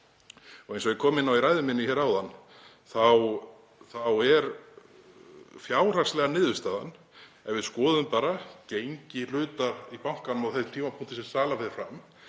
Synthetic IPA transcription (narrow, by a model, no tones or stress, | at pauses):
ɔɣejns̬ɔɛkʰɔːmɪnːawiɾajðʏmɪnːɪçɛːɾawðanː | θaw | θawɛɾ | fjaːwr̥aslɛɣanɪːðʏ̥st̪aːða̰n | ɛvɪðskɔːðʏmpaːɾacejɲcɪlʏːt̪aɾipawŋ̥kanʏmawθɛsɪmt̪ʰiːmapʰuŋ̥t̪ɪsɛmsaːlafɛːɾɪɾfɾam